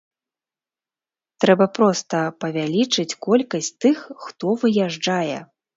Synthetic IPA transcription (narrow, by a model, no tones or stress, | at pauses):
t̪ɾɛbɐpɾɔst̪ɐpɐvʲalʲit͡ʂɨt͡sʲkɔlʲkɐsʲt͡sʲt̪ɨxːt̪ɔvɨjaʐd͡ʐajɛ̰